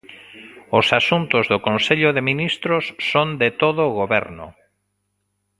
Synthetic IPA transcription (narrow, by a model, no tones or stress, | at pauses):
osasunt̪ʊzðʊkõnseʎʊðeminist̪ɾʊsːond̪et̪oðoɣoβɛ̰ɾnʊ̰